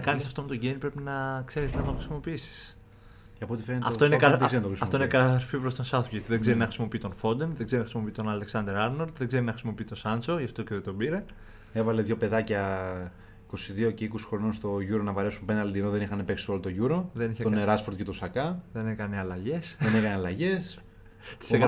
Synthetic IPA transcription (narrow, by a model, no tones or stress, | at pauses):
ɐkɐnisɐft̪o̞met̪o̞ɟenipɾepinɐkse̞ɾiznɐt̪oxɾisimo̞piisi̥s | ceɐpot̪ifenet̪ɐ̰et̪oinekɐt̪sent̪xɾisɐft̪oinekɐt̪ɐɾfipɾost̪osɐt̪ʝɐt̪iðe̞ɡze̞ɾinɐxɾisimo̞piit̪o̞nfo̞d̪enðeɡze̞ɾinɐxisimo̞piit̪o̞nɐle̞ksɐnd̪e̞ɾɐɾnold̪ðeɡze̞ɾinɐxisimo̞piit̪o̞sɐnt͡so̞ʝɐft̪o̞ceðet̪o̞biɾe̞ | e̞vɐle̞ðʝo̞pe̞ðɐcɐ | iko̞siðioce̞ikosi̥xɾo̞nonst̪o̞ʝuɾo̞nɐvɐɾe̞sumpenɐlid̪inoðe̞nixɐnepe̞ksi̥o̞lot̪o̞ʝuɾo̞ðe̞niçet̪neɾɐsfoɾt̪cet̪osɐkɐðe̞nekɐniɐlɐʝe̞sðenekɐniɐlɐʝe̞s | t̪i̥sek